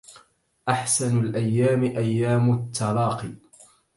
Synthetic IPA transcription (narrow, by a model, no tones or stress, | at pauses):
ʔaħsanalʔajːaːmɪʔajːaːmʊt̪ːɑlɑːqɨ